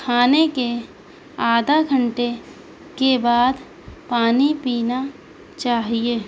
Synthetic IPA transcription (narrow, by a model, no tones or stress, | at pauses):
kʰaːneke | aːd̪ʱaɡʱəɳʈe | kebaːd̪ | paːnipiːna | t͡ʃaːɦieː